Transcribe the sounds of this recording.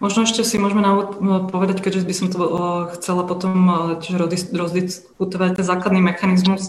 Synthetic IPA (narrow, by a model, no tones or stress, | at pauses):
mɔʒnɔɛʃcɛsimʊɔʒɛmɛnauʋɔt̪pɔʋɛd̪ackɛɟʒɛbisɔmt̪ɔxt͡sɛlapɔt̪ɔmcɛʒɛɾɔd̪isɾɔzd̪is | kut̪ɔʋac̚t̪ɛnzaːklad̪nimɛxanizmus